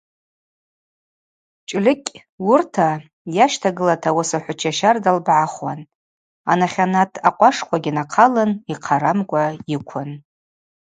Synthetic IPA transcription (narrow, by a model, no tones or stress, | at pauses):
t͡ʃʼlʲɪkʲʼ | wʊrtʰa | jaʃtʰaɡɨlatʰawasaħʷʊt͡ʃʰaʃardalbʕaχwa̰n | anaχʲanatʰaqʷʼaʂχʷʰaɡʲinaqʰalɨniqʰaɾamkʷʼaikʷʰʊn